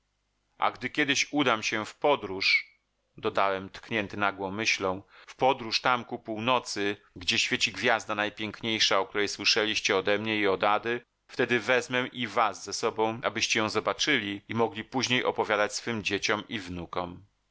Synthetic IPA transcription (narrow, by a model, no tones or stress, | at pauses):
ʔa̰ɡd̪ɘkʲjɛd̪ɘɕud̪amɕɛfpɔd̪ɾuʂ | d̪ɔd̪awɛmt̪kɲɛnt̪ɘnaɡwɔ̃w̃mːɘɕlɔ̃w̃fpɔd̪ɾuʂt̪amkupuwnɔt̪sɘ | ɡd͡ʑɛɕfʲjet͡ɕiɡvʲjazd̪anajpʲjeŋkɲejʂaɔk̚t̪uɾɛjswɘʂɛlʲiɕt͡ɕɛɔd̪ɛmɲɛiɔd̪ad̪ɘ | ft̪ɛd̪ɘvɛzmɛʔivasːɛsɔbɔ̃w̃a̰bɘɕt͡ɕɛjɔ̃w̃zɔbat͡ʂɘlʲiimɔɡlʲipuʑɲejʔɔpɔvʲjad̪at͡ɕsfɘmd͡ʑet͡ɕɔmivnukɔm